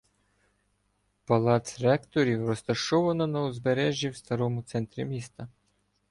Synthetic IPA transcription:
pɐlˠɑt̪sɾɑkt̪ɔɾʲiwrɔst̪ɐʃɔʋɐnɔnɐɔzbeɾɛʒʲːiwst̪ɐɾɔmʊt̪sɛnt̪ɾʲimʲist̪ɐ

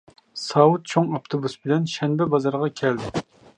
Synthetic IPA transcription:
sɑwut̪̚t͡ʃʰoŋɑpt̪ʰobusbɪlɛnʃɛnbɛbɑzɑɾʁɑkʲʰɛld̪ɪ

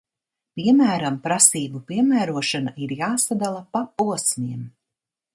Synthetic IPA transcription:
piɛmæːɾampɾasiːbupiɛmæːɾuɔʃanaʔiɾjaːsad̪alˠapapuɔsnʲiɛm

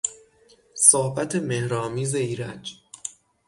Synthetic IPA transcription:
soːhbæt̪ʰe̞mehɾɒːmiːzeiːɾæd͡ʒ

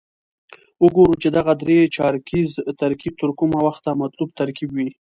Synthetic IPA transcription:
ʊɡoɾut͡ʃed̪aɣad̪ɾet͡ʃɑɾkizt̪aɾkib̚t̪əɾkumawaxt̪amat̪lub̚t̪aɾkibwi

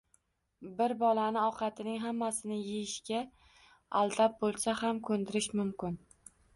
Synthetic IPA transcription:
bɪɾbɒlanɪɒqʰɑt̪ʰɪnɪŋɦamːasɪnɪjejɪʃkʲa | alˠd̪ʰap̚bolˠsahamkʰɵnd̪ɪɾɪʃmʊmkʲɪn

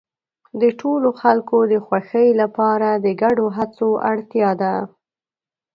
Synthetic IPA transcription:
d̪əʈʰoloxalkod̪əxwaxəjlapɑɾad̪əɡaɖoɦat͡soaɽt̪jɑd̪a

